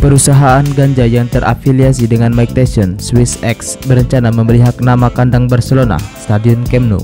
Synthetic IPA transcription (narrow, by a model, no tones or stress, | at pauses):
pəɾusaɦaːnɡaɲd͡ʒajaŋt̪ərʔa̰filiasidəŋanmajk̚t̪asiɔnswɪsɛksbəɾəɲt͡ʃanaməməɾiɦak̚namakandaŋbərsəlona̰st̪adiʊnkɛmnṵ